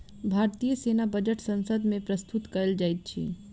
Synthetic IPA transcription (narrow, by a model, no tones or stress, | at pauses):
bʱaːɾt̪ijəseːnabəd͡ʒəʈsɐ̃nsəd̪mẽpɾəst̪ʊt̪kɐɾld͡ʒaːit̪̚t͡ʃʰḭː